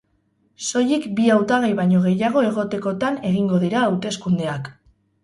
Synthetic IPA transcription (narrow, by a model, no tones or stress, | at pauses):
so̞jikbiawt̪aɣejβaɲo̞ɣ̞e̞jaɣ̞o̞e̞ɣ̞o̞t̪e̞ko̞t̪ane̞ɣiŋɡo̞ðiɾaːwt̪e̞skund̪e̞ak